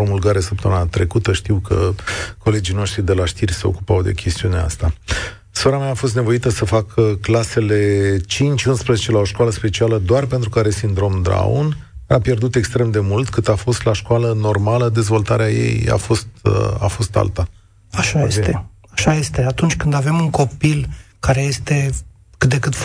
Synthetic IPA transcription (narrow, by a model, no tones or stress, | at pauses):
pɾo̞mulɡaɾesəp̚t̪əmunat̪ɾe̞kut̪əʃt̪iwkə̰ko̞le̞d͡ʒijno̞ʃt̪ɾid̪e̞laʃt̪irʲse̞oku̥pawd̪e̞̰kʲʰe̞st̪iunea̰st̪a | so̞ɾamaːfo̞st̪nevo̞it̪əsəfakʰəklase̞le̞t͡ʃint͡ʃʲunspɾəzet͡ʃe̞lao̞ʃkwaləspe̞t͡ʃialəd̪oarpe̞nt̪ɾukaɾe̞sind̪ɾo̞md̪ɾa̰ṵnapje̞rd̪ut̪e̞kst̪ɾe̞md̪e̞mult̪kɨt̪afo̞st̪laʃkwaləno̞rmaləd̪e̞zvo̞lt̪aɾeaje̞̰ja̰fo̞st̪a̰fo̞st̪a̰lt̪a | aʃajest̪e | aʃaje̞st̪eat̪unt͡ʃʲkɨnd̪ave̞muŋko̞pilkaɾeje̞st̪e̞ | kɨt̪̚d̪e̞kɨt̪